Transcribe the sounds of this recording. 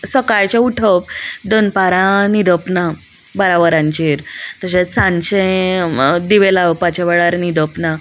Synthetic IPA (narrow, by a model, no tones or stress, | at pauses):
səkajt͡ɕeuʈʰəpd̪onpaɾãnid̪ʱəpna | bəɾaʋəɾãɲt͡ɕiɾt̪əɕesãɲt͡ɕẽ | d̪iʋelaʋpat͡ɕaʋeɭaɾnid̪əpna